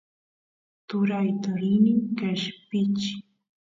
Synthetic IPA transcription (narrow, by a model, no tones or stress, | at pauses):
t̪ʊɾajt̪aɾɪnɪŋkaʃpɪt͡ʃɪ̥